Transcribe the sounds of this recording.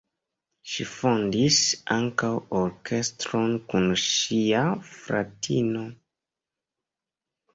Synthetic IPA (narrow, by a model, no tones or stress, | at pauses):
ʃḭfondisaŋkawoɾke̞stɾonkunʃiafɾa̰tʰino̞